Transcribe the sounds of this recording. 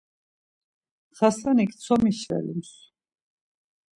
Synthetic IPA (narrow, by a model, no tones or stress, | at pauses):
χasanikʰt̪sʰɔmiʃvɛ̰lḭms